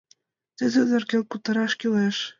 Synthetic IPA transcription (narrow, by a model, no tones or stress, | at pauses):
t̪ɘ̆d̪ɘ̆d̪ɤ̆rkĕlkut̪ɤ̆ɾɑʃkyleʃ